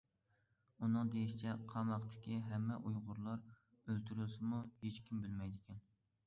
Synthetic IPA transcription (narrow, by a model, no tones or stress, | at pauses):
unɨŋd̪ejiʃit͡ʃʰɛqʰɑmɑqt̪ʰɪ̥kʲiɦɛmːɛʔujʁʊɾlˠɑɾ | ølt̪ʰyɾulsɪmuhet͡ʃkʲʰimbɪlmɛjd̪ɪkʲʰɛn